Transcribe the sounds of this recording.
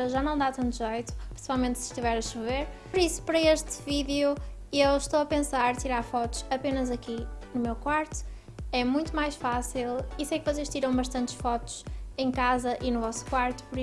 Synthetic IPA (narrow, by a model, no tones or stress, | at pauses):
ɾɐʒanɐ̃w̃d̪at̪ɐ̃nt̪uʒejt̪u̥pɾi̥sivalˠmẽnt̪sɨ̥ʃt̪ivɛɾɐʃɨveɾpɔɾisu̥pɐɾɐeʃt̪ɨviðju | ewʃt̪owɐpẽsaɾt̪iɾaɾfɔt̪u̥ʃɐpenɐzɐkinumewkwaɾt̪u̥ | ɛmũj̃t̪umajʃfasilˠisejkvɔseʃt̪iɾɐ̃w̃bɐʃt̪ɐ̃nt̪ʃfɔt̪u̥ʃẽj̃kazɐʔinuvɔsu̥kwaɾt̪u̥puɾi